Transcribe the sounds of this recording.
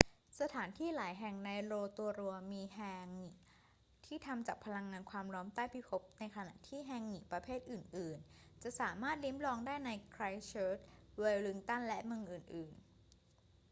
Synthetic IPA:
sa˧t̪ʰaː˩˦nt̪ʰiː˥˩laː˨˩˦jɦɛ˨˩ŋna˧jɾoː˧t̪u˧ɐɾu˧əmiː˧ɦɛː˧ŋːi˨˩˦ | t̪ʰiː˥˩t̪ʰa˧mt͡ɕaː˨˩k̚pʰa˧la˧ŋːaː˧nkʰwaː˧mɾɔː˦˥mt̪aː˥˩jpʰi˦˥˩pʰo˦˥p̚na˧jkʰa˧na̰˨˩ʔt̪ʰiː˥˩ɦɛː˧ŋːi˨˩pɾa˧pʰeː˥˩t̪̚ʔɯː˨˩nʔɯː˨˩nt͡ɕa˨˩ʔsaː˩˦maː˥˩t̪̚li˦˥mlɔː˧ŋdaː˥˩jna˧jkʰɾa˧jt͡ɕʰɤː˦˥t̪̚weː˧wlɯ˧˥ŋt̪a˥˩nlɛ˦˥ʔmɯ˧ŋʔɯː˨˩nʔɯː˨˩n

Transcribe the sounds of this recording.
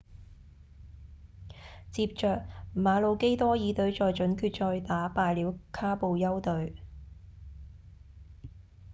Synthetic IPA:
t͡siː˧p̚t͡ʃœː˨k̚maː˨˧lo˨˧wke˥jt̪ɔː˥jiː˨˧t̪ɵ˨˧ɥt͡ʃɔː˨˧jt͡ʃɵ˨˥nkʰyː˧t̚t͡ʃɔː˧jt̪aː˨˥paː˧jliː˨˥wkʰaː˥po˨˧wjɐ˥wt̪ɵ˨˧ɥ

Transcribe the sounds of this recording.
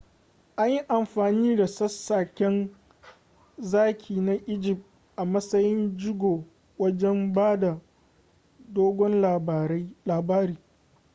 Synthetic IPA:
ʔa˦ɲji˦ʔa˨mɸaː˨niː˦da˨sɐ˦sːaː˨kʲɛ˦n | zaː˦kʲʰiː˨na˦ʔɪ˦d͡ʒɪ˨p̚ | ʔa˨mɐ˦sɐ˦jɪ˦nd͡ʒɪ˦ɡʷoː˨ | wɐ˦d͡ʒɛ˦mbaː˦da˨ | doː˦ɡʷɔ˦n˨˦laː˨baː˦ɾiː˦

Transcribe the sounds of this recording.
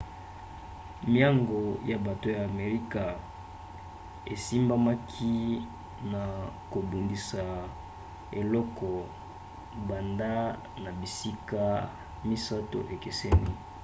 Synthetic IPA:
mja˦ŋɡo˨ja˨ba˨to˦jaː˨me˨ʁi˦ka˨ | e˨si˦mba˦ma˦kʰi˦ | na˨ko˨bu˨ndi˨sa˨ | e˨lɔ˦kɔ˨ | ba˨nda˦ | na˨bi˨si˦ka˦ | mi˦sa˦to̰˨ʔe˨ke˨se˦ni˦

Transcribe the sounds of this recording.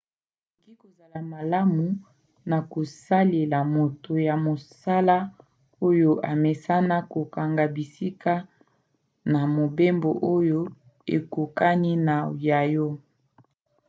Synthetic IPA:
ali˨ŋɡi˦ko˨za˨la˨ma˨la˦mu˨ | na˨ko˨sa˦le˨la˨mo˨to˨ja˨mo˨sa˦la˦ | o˦jo˦ʔa˨me˨sa˦na˦ko˨ka˨ŋɡa˨bi˨si˦kʰa˦ | na˨mo˨be˦mbo˨ʔo˦jo˦ | ḛ˨ko˨ka˦ni˦na˨ja˨jo˦

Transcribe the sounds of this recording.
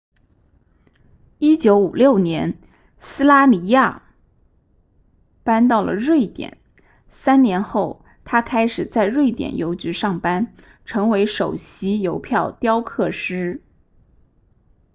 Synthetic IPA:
i˥t͡ɕjo˧˥ʊu˨˩ljo˥˩ʊnjɛ˧˥n | sɹ̩˥la˥ni˧˥ja̰˥˩ | pa˥nt̪ɑ˥˩ʊlə̰˩ɻwe˥˩ɪt̪jɛ̰˨˩˦n | sa˥nnjɛ˧˥nxo˥˩ʊ | t̪ʰa˥kʰa˥ɪʂɻ̩˨˩t͡sa˥˧ɪɻwe˥˩ɪt̪jɛ̰˨˩njo˧˥ʊt͡ɕy˧˥ʂɑ˥˩ŋpa˥n | ʈ͡ʂʰɤ˧˥ŋwe˧˥ɪʂo˨˩ʊɕi˧˥jo˧˥ʊpʰjɑ˥˩ʊt̪jɑ˥ʊkʰɤ˥˩ʂɻ̩˥

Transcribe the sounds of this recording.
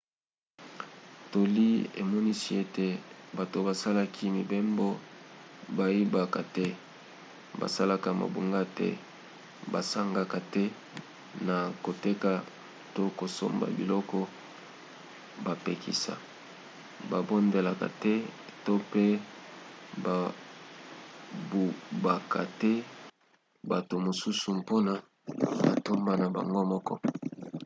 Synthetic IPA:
to˨li˦ḛ˨mɔ˦ni˦si˦e˦te˨ba˨to˨ba˨sa˦la˦kʰi˦mi˨be˦mbɔ˦ | ba˨i˦ba˨ka˨tɛ˦ | ba̰˨sa˦la˦ka˨ma̰˨bu˨ŋɡa˦tɛ̰˦ | ba̰˨sa˦ŋɡa˨ka˨tɛ˦ | na˨ko˨te˦ka˨ | to˦ko˨so˦mba̰˨bḭ˨lɔ˦kɔ˦ | ba˨pe˨kḭ˨sa̰˨ | ba˨bo˦nde˨la˨ka̰˨tɛ˦to˦pe˦ | ba˨ | bu˨ba˨ka˨tɛ˦ | ba˨to˨mo˨su˦su˨po˦na˦ | ba̰˨to˦mba˦na˨ba̰˨ŋɡo˦mɔ˦kɔ̰˦

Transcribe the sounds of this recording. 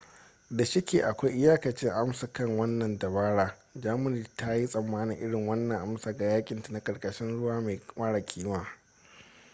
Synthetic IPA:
da˨ʃɪ˦kʲeː˨ʔa˨kʷa˦jʔɪ˦jaː˦kɐ˨t͡ʃɪ˦ŋʔa˦msa˨kɐ˦ŋwɐ˦nːɐ˨ndɐ˨baː˦ɽaː˦ | d͡ʒaː˦mʊ˨niː˨tʰa˦ji˦sʼɐ˨mːaː˦nɪ˨ŋʔɪ˦ɽɪ˨ŋwɐ˦nːɐ˨ŋʔa˦msaː˨ɡa˨jaː˦kʲʼɪ˨ntḁ˨na˨kʼɐ˨ɽkʼɐ˦ʃɪ˦nɽʊ˦waː˦ma˨maː˦ɽa˨kʲʰiː˦waː˦

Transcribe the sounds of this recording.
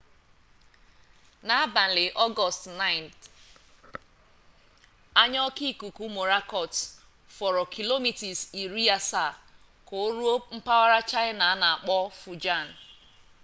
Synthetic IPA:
na˨a˦ba˨n̩˨lɪ˨ʔɔ˦ɡɔ˨stna˦ɪ˨nt | a˦ɲɔ˦ki˦ku˨ku˦mo˨ɾa˦kɔ˨t | fɔ˨ɾɔ˨kʰi˨lo˦mi˨ti˨si˨ɾi˦a˦sa˦˨ | ko˨˦ɾu˦o˦m̩˦pa˦wa˦ɾa˦t͡ʃa˦ɪ˦na˨a˦na˨a˨k͡pɔ˦fu˨d͡ʒa˦˨n̩˨

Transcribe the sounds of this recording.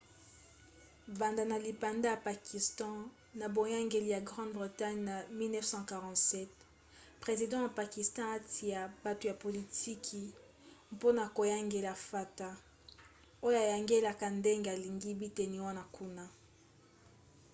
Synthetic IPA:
ba˨nda˨na˨li˨pa˨nda˦ja˨pa˨kʰi˨stɑ̃˦ | na˨bo˨ja˦ŋɡe˨li˨ja˨ɡʁɑ̃˦dbʁi˨ta˦ɲna˨mi˦lnɛ˦fsɑ̃˦ka˨ʁɑ̃˨tsɛ˦t̚ | pʁe˨zi˨dɑ̃˦ja˨pa˨ki˨stɑ̃˦a˦tʰi˨ja˨ba˨to˨ja˨po˨li˨tʰi˦kʰi˨ | po˦na˨ko˨ja˦ŋɡe˨la˨fa˨ta˦ | o˦jo˦a˨ja˨ŋɡe˦la˨ka˨nde˦ŋɡe˨a˨li˨ŋɡi˦bi˦te˨ni˨wa˦na˨ku˦na˦

